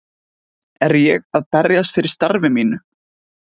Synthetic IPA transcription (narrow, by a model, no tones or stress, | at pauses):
ɛɾjɛɣaðpɛrjas̬t̪fɪɾɪ̥st̪aɾvɪmiːnʏ